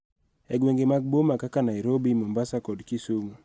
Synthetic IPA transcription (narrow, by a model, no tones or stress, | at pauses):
ɛɡweŋɡemaɡ̚bomakakanajɾobimɔmbasakɔdkisumu